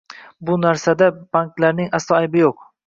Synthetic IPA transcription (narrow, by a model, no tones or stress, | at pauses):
bʊnaɾsad̪ab̥aŋklaɾnɪŋasɒajbɪjoq̚